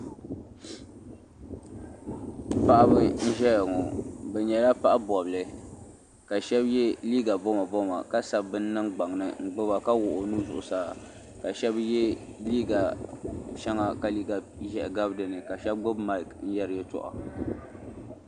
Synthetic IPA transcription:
pa˦ʔa˦bɨ˦n̩˦ʒɛ˦jŋɔ˨bɛ˨ɲɛ˨la˦pa˦ʔa˦bɔ˨blɨ˨ | ka˨ʃɛ˦bjɛ˦liː˦ɡa˨bɔ˦ma˨bɔ˦ma̰˨ka˦sa˦bbɨ˦n̩ː˦ɨ˦ŋɡ͡ba˨ŋnɨ̰˨ŋ̩˦ɡ͡bɨ˦ba˨ka˦wʊ˨ʔʊ˨nu˦zʊ˨ʔʊ˨saː˦˨ | ka˨ʃɛ˦bjɛ˦liː˦ɡa˨ʃɛ˦ŋa˦ka˨li˦ɡa˨ | ʒɛ˨ʔɡa˦bdɨ˨nɨ˨ka˨ʃɛ˦b̚ɡ͡bo˦bma˦˨kn̩˦jɛ˦ɾɨ˨jɛ˦tɔ̰˨ʔɔ̰˨

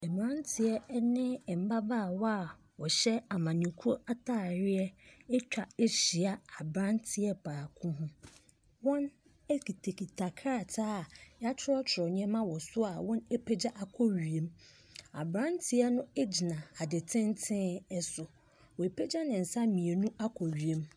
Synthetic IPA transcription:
ɛ˨m˨ɾã˦ntʰɪ˨ɛ˦nɪ̃˦˨m̩˨ba˦baː˦˨wɔ˦a˨ | wɔ˨ɕɛ˦a˨mã˨nĩ˨kʰu˦ɾo˦a˦tʰaː˦˨ɾɪ˦ɛ˦ɛ˦t͡ɕᶣa˨e˦ɕi˨a˦a˨bɾã˦ntʰɪ˨ɛ˦pʰaː˨kʰũ˦ɦʊ̃˦ | wɔ̃˦n | ɛ˦ki˨tʰe˨kʰi˨tʰa˨kʰa˦a˦˨tʰaː˦˨ja˦t͡ɕʰɪ˦ɾɔ˦t͡ɕʰɪ˨ɾɔ˨ɲ˦ɛ̃˦mã˦wɔ˨sʊ˦a˨wɔ̃˦ne˦pʰe˦d͡ʑa˦ʔa˨kʰɔ˦ɥi˨ẽ˨m | a˨bɾã˦ntʰɪ˦ɛ˦nʊ̃˦ɛ˦d͡ʑi˨nã˨a˨dɪ˨tʰɪ̃˦n˦tʰɪ̃˦ɛ˦sʊ˨ | wɔ˨e˨pʰe˦d͡ʑa˦nɪ̃˨n̩˨sa˦mĩ˨e˨nũ˦ʔa˦kʰɔ˨ɥi˨e˦m

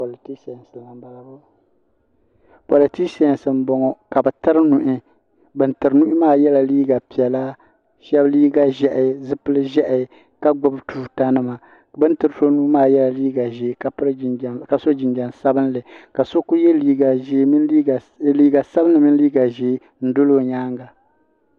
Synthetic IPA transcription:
po˨li˨ti˦ksɛ˨sɨ˨la˨m˦ba˨lbʊ˦ | po˨li˨ti˦sɛ˨nsɨ˨m̩˨˦bɔ˨ŋɔ˨ka˨bɨ˨tɨ˦ɾɨ˦nu˨ʔɪ˦ | bɨ˨ntɨ˨ɾɨ˨˦nu˦maː˦jɛ˦la˨liː˦ɡa˨pi˨ɛ˨la˦ | ʃɛ˦bliː˦ɡa˦ʒɛ˦˨ʔɪ˨˦zɨ˦pɨ˦lɨ˦ʒɛ˦ʔ | ka˦ɡ͡bʊ˦btu˦ta˦nɨ˦ma˨ | bɨ˦ntɨ˨ɾɨ˦so˦nuː˦maː˦˨jɛ˦la˨liː˦ɡa˨ʒe˨˦a˦pɨ˦ɾɨ˦˨ka˨so˦d͡ʒɪ˨nd͡ʒa˨nsa˦bɨ˦nlɨ˨ka˨so˦ku˦jɛ˦li˦ɡa˨ʒe˦˨ | liː˦ɡa˨sa˦bɨ˦nlɨ˨mɨ˦liː˦ɡa˨ʒeː˨˦ | n̩˦dʊ˦lo˦ɲaː˦ŋɡa˨

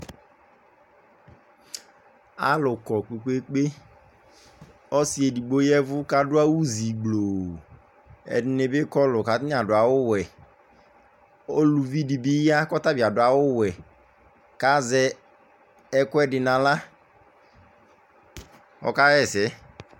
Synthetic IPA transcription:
a̰˦lʊ˨kɔ˨k͡pe˨k͡pe˦k͡pe˦ | ɔ˦si˦e˨di˨ɡ͡bo˦jɛ˦vʊ˦ka˦dʊ˦a˦wu˦zi˨ɡ͡blo˨ | ɛ̰˨dɪ˦nɪ˨bɪ˦kɔ˦lʊ˨ka˨tɪ˦n˦a˨dʊ˨a˨wʊ˦wɛ˨ | o˦lu˨vi˦di˨bi˦ja˦kɔ˦ta˦bi˨a˨dʊ˨a˨wʊ˦wɛ˨ | ka˦zɛ˨ | ɛ˦kʊ˦ɛ˦dɪ˨nã˨la˦ | ɔ̰˨ka˦ɛ˦˨sɛ˨˦

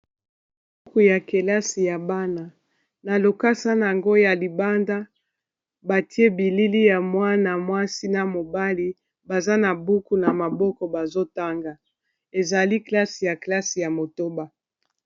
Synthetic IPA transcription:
b | u˦ku˨ja˨ke˨la˦si˨ja˨ba˦na˨ | na˨lo˨ka˦sa˦na˨a˨ŋɡo˦ja˨li˨ba˦nda˦ | ba˨ti˦e˦bi˨li˦li˦ja˨mwa˦na˨mwa˦si˦na˨mo˨ba˦li˦ | ba˨za˦na˨bu˦ku˨na˨ma˨bɔ˦kɔ˨ba˨zo˦ta˦ŋɡa˨ | e˨za˨li˦kla˦si˨ja˨kla˦si˨ja˨mo˨to˦ba˨

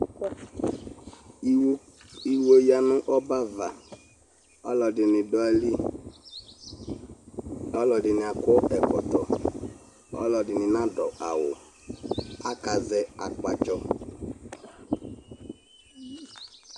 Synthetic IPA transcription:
i˨wo˦ja˨nʊ˦ʔɔ˦ba˦va˨ | ɔ˦lɔ˨dɪ˨nɪ˨dɔ˨a˨li˦ | ɔ˦lɔ˨dɪ˨nɪ˨a˨kɔ˦ɛ˨kɔ˨t̪ɔ˨ | ɔ̰˦lɔ˨dɪ˨nɪ˨nã˦dɔ˨a̰˨wʊ̰˨ | a˦ka˨zɛ˨a̰˨k͡pa˦t͡ʃɔ˦

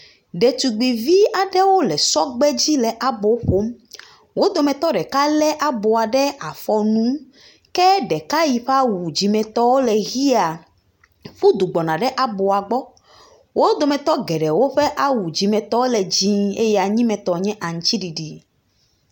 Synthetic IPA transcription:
ɖɛ˨t̪u˨ɡ͡bi˨vi˦a˨ɖɛ˦wo˦lɛ˨sɔ˦ɡ͡bɛ˦d͡ʑi˦lɛ˨ʔa˦bo˨˦ɸo˦m | wo˦d̪o˨mɛ̃˨t̪ɔ˦ɖɛ˨ka˦lɛ˦ʔa˦bo˨a˨ɖɛ˦a˨fɔ˦nũ˦ | kɛ˦ɖɛ˨ka˦ji˨ɸɛ˦a˦wu˨d͡ʑi˨mɛ̃˨t̪ɔ˦wo˦lɛ˨ɣi˦a˨ | ɸu˦d̪u˨ɡ͡bɔ˨nã˨ɖɛ˦ʔa˨bo˨a˨ɡ͡bɔ˦ | wo˦d̪o˨mɛ̃˨t̪ɔ˦ɡɛ˨ɖɛ˨wo˦ɸɛ˦ʔa˦˨wu˨d͡ʑi˨mɛ̃˨t̪ɔ˦wo˦lɛ˨d͡ʑĩ˦ḛ˦jɛ˦a˨ɲĩ˦mɛ̃˨t̪ɔ˨ɲɛ̃˦ʔa˨ŋ̩˨t͡ɕi˦ɖi˨ɖi˨

